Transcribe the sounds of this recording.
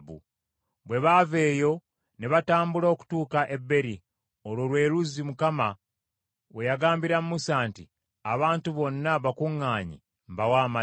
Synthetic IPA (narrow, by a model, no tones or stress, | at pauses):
βṵ | βwe̞βave̞ːjo̞ | neβataːmbulooku̥tuːkaʔe̞bːe̞ɾi | o̞lwolwe̞ːɾuzimukama | we̞jaɡaːmbiɾamumusaːnti | aβaːntuβo̞nːaβakuŋːaːɲḭ | mbawaːma